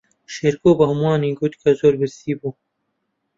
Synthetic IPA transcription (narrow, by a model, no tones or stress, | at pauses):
ʃeːɾkoːbɐɦʊmɑːniːɡut̪kʰɐzoːɾbɪɾst̪iːbu